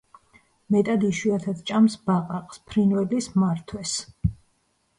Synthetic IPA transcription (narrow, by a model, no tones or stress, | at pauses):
mɛt̪ʼad̪iʃwiat̪ʰad̪t͡ʃʼamsbaqʼaqʼspʰɾinwɛlismaɾt̪ʰwɛs